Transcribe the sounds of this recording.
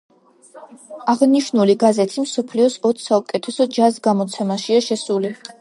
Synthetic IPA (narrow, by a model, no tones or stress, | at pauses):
aʁniʃnuliɡazɛt̪ʰimsɔpʰliɔsɔt̪ʰsaukʼɛt̪ʰɛsɔd͡ʒasɡamɔt̪sʰɛmaʃiaʃɛsuli